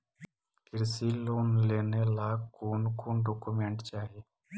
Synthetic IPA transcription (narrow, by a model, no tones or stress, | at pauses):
kɪɾsiloːnleːnelaːkkoːnkuːɖoːkumeɳʈt͡ʃaːɦieː